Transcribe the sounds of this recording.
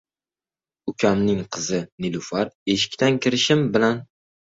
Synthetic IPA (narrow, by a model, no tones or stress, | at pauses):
ʊkʲʰamnɪŋqʰɨzɪnɪlʊfaɾeʃɪ̥kʲt̪ankʲɪɾɪʃɪmbɪlan